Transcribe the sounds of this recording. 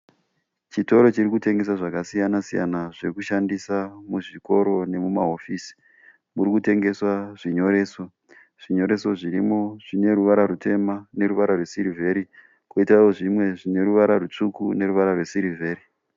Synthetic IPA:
t͡ʃito̞ɾo̞t͡ʃirikute̞ŋɡe̞s̬aʐakasijanasija̰naʐirikuʃandisamuʐiko̞ɾo̞ne̞mumaɦo̞fiːsi̥ | muɾikute̞ŋɡe̞swaʐiɲo̞ɾe̞ːso | ʐ̥iɲo̞ɾe̞so̞ʐiɾimo̞ʐ̥ine̞ɾuʋaɾaɾute̞mane̞ɾuʋaɾarwe̞siɾivʱe̞ɾi | koitraoʐimwe̞ʐine̞ɾuʋaɾarut͡ʂukune̞ɾuʋaɾarwe̞siɾivʱe̞ːri

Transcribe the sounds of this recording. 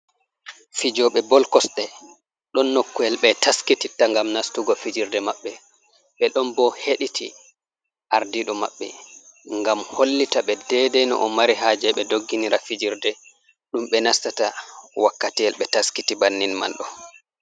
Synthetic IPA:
fid͡ʒɔɓɛbɔlkɔsɗɛ | ɗɔnːokːuɛlɓɛtaskititːaŋɡamnastuɡɔfid͡ʒiɾdɛmaɓːɛ | ɓɛɗɔnbɔheɗitʰi | ʔaɾdiɗɔma̰ɓːɛ̰ŋɡamholːitaɓɛdɛdɛnɔ̰ʔɔmaɾiɦaːd͡ʒɛɓɛdoɡːiniɾafid͡ʒiɾdɛ | ɗumɓɛnastatawakːatiɛlɓɛtaskitibanːinma̰lɗɔ

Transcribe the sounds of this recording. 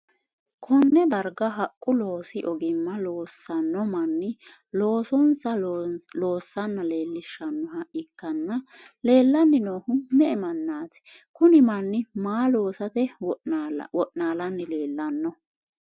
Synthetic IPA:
kʰɔnːɛd̪ɐɾɡɐɦɐkʼːʊlo̞ːsɪʔɔɡɪmːɐloːsːɐnːɔmɐnːɪ | lo̞ːsɔnsɐlo̞ːsːɐnːɐleːlːɪʃːɐnːɔɦɐʔɪkːɐnːɐle̞ːlːɐnːɪnoːhʊmɛɛmɐnːaːt̪ɪ̥ | kʊnɪmɐnːɪmaːlo̞ːsɐt̪ɛ | wɔʔnaːlɐnːɪle̞ːlːɐnːɔ

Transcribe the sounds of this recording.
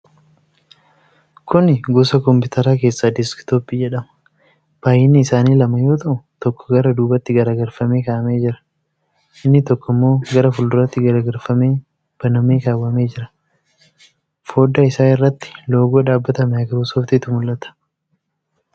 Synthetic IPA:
kʊnɪɡʊsɐkɔmpɪʊːt̪ɐɾaːk̬e̞ːsːaːd̪ɪskt̪oːpːiːd͡ʒɛᶑɐmɐ̥ | b̥aːjːɪnːɪːsaːniːlɐmɐjo̞ːt̪ɐʔʊt̪ɔkːɔ̥ɡɐɾɐd̪uːbɐt̪ːɪɡɐɾaːɡɐɾfɐme̞ːkaːʔɐme̞ːd͡ʒɪɾɐ̥ | ʔɪnːɪt̪ɔkːɔɪmːo̞ːɡɐɾɐfʊld̪ʊɾɐt̪ːɪɡɐɾaːɡɐɾfɐmeː | b̥ɐnɐmeːkaːwɐme̞ːd͡ʒɪɾɐ̥ | fo̞ːd̪aːɪsaːɪrːɐt̪ːɪ̥lo̞ːɡoːᶑaːbːɐt̪ɐmɛɐɡɐbʊsoːft̪ɪt̪ːʊmʊlʔɐt̪ɐ̥

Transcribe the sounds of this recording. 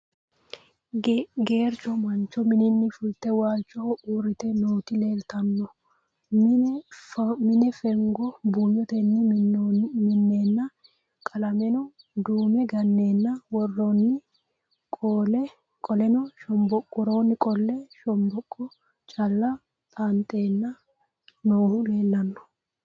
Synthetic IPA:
ɡeːɾt͡ʃɔmɐnt͡ʃːɔmɪnɪnːɪfʊlt̪ːɛwaːlt͡ʃʼːɔuːrːɪt̪ɛnoːt̪ɪle̞ːlt̪ɐnːɔ | mɪnɛfɛŋɡɔbuːjːɔt̪ɛnːɪ | mɪnːe̞ːnːɐ | kʼɐlɐmɛnɔ | d̪uːmɛɡɐnːe̞ːnːɐwɔrːɔnːɪ | kʼoːlɛ | kʼɔlɛnɔʃɔmbɔkʼːʊɾo̞ːnːɪkʼɔlːɛʃɔmbɔkʼːɔ | t͡ʃʼɐlːɐ | t̪ʼant̪ʼe̞ːnːɐ | noːhʊle̞ːlːɐnːɔ̥

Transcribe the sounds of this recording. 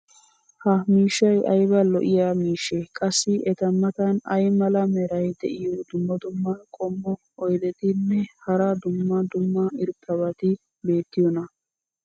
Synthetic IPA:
hɐmiːʃːɐjɐjbɐlɔʔɪjaːmiːʃːɛkʼɐsːɪʔɛt̪ɐmːɐt̪ɐnɐjmɐlɐmɛɾɐjd̪ɛʔɪjɔd̪ʊmːɐd̪ʊmːɐkʼɔmːɔ | ɔjd̪ɛt̪ɪnːɛhɐɾɐd̪ʊmːɐd̪ʊmːɐɪɾt̪ʼːɐβɐt̪ɪ | be̞ːt̪ːɪjɔnɐ

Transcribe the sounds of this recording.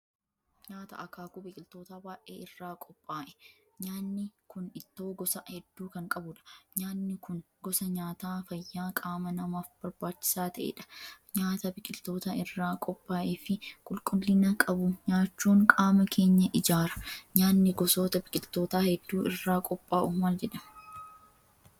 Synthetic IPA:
ɲaːt̪ɐ̰ʔɐkaːkʊbɪkʼɪlt̪oːt̪aːbaːʔḛːɪrːaːkʼɔpʼːaːʔɛ̥ | ɲaːnːɪkʊnɪt̪ːo̞ːɡɔsɐhɛd̪ːuːkɐŋkʼɐbʊᶑɐ̥ɲaːnːɪkʊn | ɡɔsɐɲaːt̪aːfɐjːaːkʼaːmɐnɐmaːfb̥ɐɾbaːt͡ʃːɪ̥saːt̪ɐʔḛːᶑɐ̥ɲaːt̪ɐbɪkʼɪlt̪o̞ːt̪ɐɪrːaːkʼɔpʼːaːʔeːfɪkʼʊlkʼʊlːɪnɐkʼɐbʊɲaːt͡ʃːuːŋkʼaːmɐkʰe̞ːɲːɐʔɪd͡ʒaːɾɐ̥ɲaːnːɪɡɔso̞ːt̪ɐbɪkʼɪlt̪o̞ːt̪aːhɛd̪ːuːɪrːaːkʼɔpʼːaːʔʊmɐld͡ʒɛᶑɐm

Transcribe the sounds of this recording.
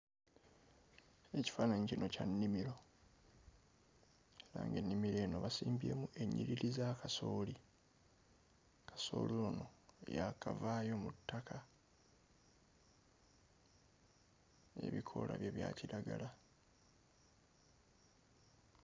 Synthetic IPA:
e̞ci̥faːnaɲicino̞canːimiɾo̞ | eɾa̰ːŋɡenːimiɾe̞ːnoβasiːmbie̞mue̞ɲːiɾiɾizakaso̞ːli | kʰḁso̞̰ːlilono̞jakavaːjo̞mutːakʰa | e̞̰βikʰo̞̰la̰βjeβja̰ːciɾaɡala

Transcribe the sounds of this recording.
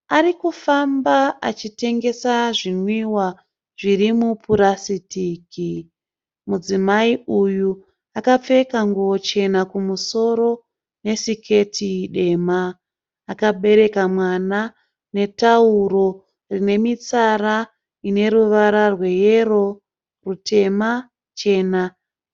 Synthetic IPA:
aɾikufambaat͡ʃite̞ŋɡe̞saʐinwiwa | ʐ̥iɾimupʰuɾasitiːki | mud͡zimaiuju | akap͡fe̞kaŋɡot͡ʃe̞nakumuso̞ɾo̞ | ne̞sikʰe̞tʰiɗe̞maː | kaɓe̞ɾe̞kamwana | ne̞tauɾo̞ | rine̞mit͡saɾa | ine̞ɾuʋaɾarwe̞jero̞ | rutʰe̞ma | t͡ʃe̞ːna

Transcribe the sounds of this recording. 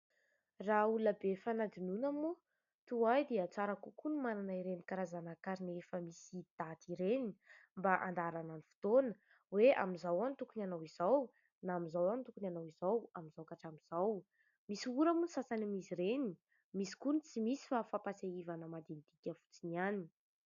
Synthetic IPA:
rauluəbefanad̪inunamu | t̪uajd̪eət͡saɾakukunimananaiɾenikaɾazanakaɾinefəmisid̪̥at̪iɾenimbaʔand̪aɾananifi̥t̪onə̥ | wea̰mizawanit̪ukunanawizaw | naːmizawanit̪ukunanawizawamizawkaʈ͡ʂamiz̥aw | misiuɾamunsasanimisiɾeni | misi̥kunit͡simisi̥fafapaseivanəmad̪int̪ikʲəfu̥t͡siniani

